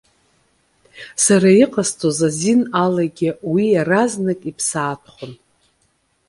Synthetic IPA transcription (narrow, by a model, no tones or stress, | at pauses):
saɾaiqʼastʰʼozazinalaɡʲɪwiaraznɨkʼipʰsaːtʰχʷʊn